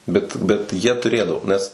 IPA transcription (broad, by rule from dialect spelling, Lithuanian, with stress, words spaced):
ˈbʲɛt bʲɛt ˈjiɛ tʊˈrʲeːdɐʋoː ˈnʲɛs